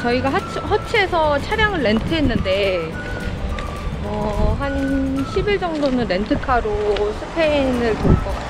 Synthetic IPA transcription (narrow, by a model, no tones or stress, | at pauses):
t͡ɕʌiɡat͡ɕʰhʌt͡ɕʰesʰʌt͡ɕʰaɾjaŋɯɭːe̞ntʰɯɦe̞nːɯnde̞ | ʌɦanɕʰibiɭd͡ʑʌŋdonɯnɾe̞ntʰɯkʰaɾosʰɯpʰenɯɭkoɭk͈ʌa